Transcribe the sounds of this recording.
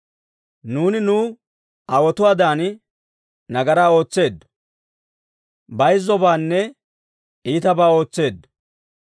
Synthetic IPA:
nuːnɪnuː | ɐwɔt̪ʊwaːd̪aːn | nɐɡɐɾaːo̞ːt͡sːe̞ːd̪ | bɐjzːɔbaːnːɛ | iːt̪ɐbaːo̞ːt͡sːe̞ːd̪

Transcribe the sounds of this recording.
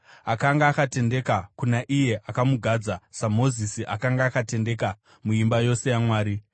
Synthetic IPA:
akaŋɡaːkate̞nde̞kakunaʔije̞ʔakamuɡʱad͡zasamo̞zisiʔakaŋɡaːkate̞nde̞ka | muimbajo̞se̞jamwaːɾi

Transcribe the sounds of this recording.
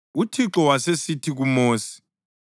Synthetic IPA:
utʰiǁɔwasesitʰiɣumoːsi̥

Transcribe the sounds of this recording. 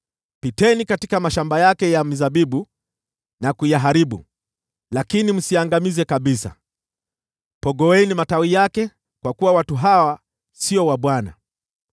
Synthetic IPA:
pitɛnikatikamaʃambajakɛjam̩zaɓiɓu | nakujaɦaɾiɓṵ | lakinim̩siaŋɡamizɛkaɓisa̰ | pɔɡɔɛnimatawijakɛ | kwakuwawatuɦawa | siɔwaɓwana̰

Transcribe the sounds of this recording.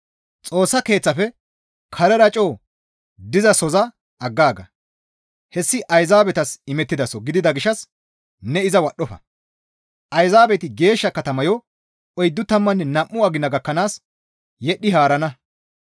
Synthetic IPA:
t͡sʼo̞ːsːɐke̞ːt͡sːɐfɛ | kʰɐɾɛɾɐt͡ʃʼo̞ː | d̪ɪzɐsɔzɐ | ʔɐɡːaːɡɐ | hɛsːɪʔɐjzaːbɛt̪ɐsɪmɛt̪ːɪd̪ɐsɔɡɪd̪ɪd̪ɐɡɪʃːɐs | nɛɪzɐwɐɗːɔfɐ̰ | ʔɐjzaːbɛt̪ɪɡe̞ːʃːɐkɐt̪ɐmɐjɔ | ɔjd̪ːʊt̪ɐmːɐnːɛnɐmːʊɐɡɪnːɐɡɐkːɐnaːs | jɛɗːɪɦaːɾɐnɐ

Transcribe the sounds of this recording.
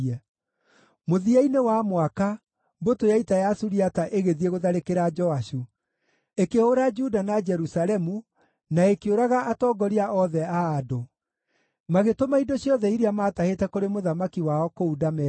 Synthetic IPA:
ɛ | moðiainewamwaka | botojaitajasuɾiataʔeɣeðieɣoðaɾekeɾad͡ʒɔaʃu | ekehoɾad͡ʒudanad͡ʒɛɾusalɛmu | naekeoɾaɣaʔatɔːɡɔɾiaʔɔðɛaːdo | maɣetomaidoɕjɔðɛiɾiamaːtahetɛkoɾemoðamakiwaɔkoudamɛ

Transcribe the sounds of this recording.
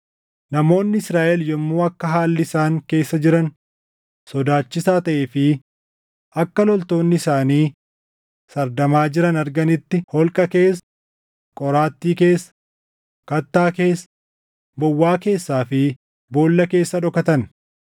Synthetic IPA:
nɐmo̞ːnːɪɪsɾaːʔɛljɔmːoːɐkːɐɦaːlːɪɪsaːŋke̞ːsːɐd͡ʒɪɾɐn | sɔd̪aːt͡ʃːɪsaːt̪ɐʔeːfɪ | ʔɐkːɐlɔlt̪o̞ːnːɪɪsaːniː | sɐɾd̪ɐmaːd͡ʒɪɾɐnɐɾɡɐnɪt̪ːɪhɔlkʼɐke̞ːs | kʼɔɾaːt̪ːiːke̞ːs | kɐt̪ːaːke̞ːs | bɔwːaːke̞ːsːaːfɪ | bo̞ːlːɐke̞ːsːɐᶑɔkɐt̪ɐn

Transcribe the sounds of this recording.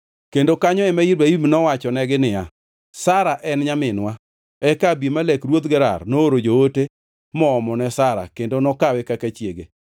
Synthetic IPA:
kendokaɲɔɛmaiɾbaimnɔwat͡ʃɔnɛɡɪnɪja | saɾaʔɛnɲamɪnwa | ɛkabjimalɛkrwot̪ɡɛɾa̰rnooɾod͡ʒoote | mɔːmɔnɛsaɾa̰kendonɔkawɛkakat͡ʃjeɡe

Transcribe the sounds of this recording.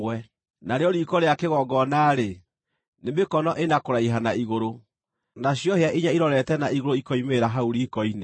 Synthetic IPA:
wɛ | naɾeɔɾiːkɔɾeakeɣɔɡɔnaɾe | nemekɔnɔʔenakoɾaiɦanaiɣoɾo | naɕjɔheaʔiɲaiɾɔɾɛtɛnaiɣoɾoikɔimeɾaɦauɾiːkɔine

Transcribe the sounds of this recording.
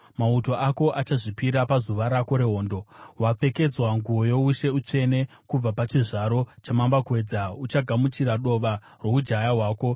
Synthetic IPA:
mauto̞ʔako̞ʔat͡ʃaʐipiɾapazuʋaɾako̞ɾe̞ɦo̞ːndo̞wap͡fe̞ke̞d͡zwaŋɡuojo̞uʃe̞ut͡ʂe̞ne̞ | kub͡vapat͡ʃiʐaɾo̞t͡ʃamambakwe̞ːd͡zaut͡ʃaɡʱamut͡ʃiɾaɗo̞ʋa | ro̞ud͡ʒajaɦwaːko̞

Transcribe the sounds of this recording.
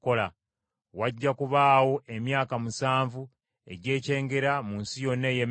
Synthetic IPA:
ola | waɟːakuβaːwo̞ʔe̞mjaːkamusaːɱvu | e̞̰ɟe̞ːce̞ːŋɡe̞ɾamunsijo̞nːe̞jem

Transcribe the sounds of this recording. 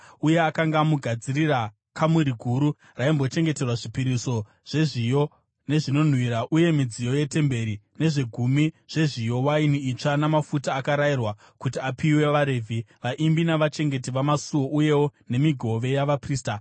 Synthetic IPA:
uje̞akaŋɡaːmuɡʱad͡zirira | kʰamuɾiɡʱuɾu | raimbo̞t͡ʃe̞ŋɡe̞te̞rwaʐipiɾiso̞ | ʐ̥e̞ʐijo̞ | ne̞ʐino̞n̤wiɾaʔuje̞mid͡zijo̞je̞te̞mbe̞ɾine̞ʐe̞ɡʱumiʐ̥e̞ʐijo̞wainiːt͡ʂanamafutaːkaɾairwa | kutiapiwe̞ʋaɾe̞vʱiʋaʔimbinaʋat͡ʃe̞ŋɡe̞tiʋamasuwo̞ʔuje̞wo̞ne̞miɡʱo̞ʋe̞jaʋapriːsta

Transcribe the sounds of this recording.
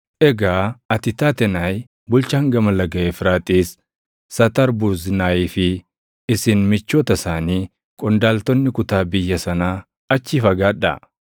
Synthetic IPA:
ʔɛɡaːɐt̪ɪt̪aːt̪ɛnaːj | bʊlt͡ʃaːŋɡɐmɐlɐɡɐʔefɾaːt̪ʼiːs | sɐt̪ɐɾbʊznaːjiːfɪ | ɪsɪnmɪt͡ʃːoːt̪ɐsaːniː | kʼɔnd̪aːlt̪ɔnːɪkʊt̪aːbɪjːɐsɐnaː | ɐt͡ʃːɪfɐɡaːᶑɐ̰

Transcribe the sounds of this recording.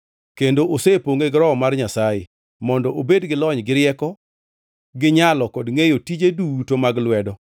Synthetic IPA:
kendoʔosepoŋeɡɾɔmarɲasajḛ | mɔndɔʔobedɡɪlɔɲɡɪɾɪjɛkɔ | ɡɪɲalɔkɔdŋejotid͡ʒedutomaɡlwɛdɔ

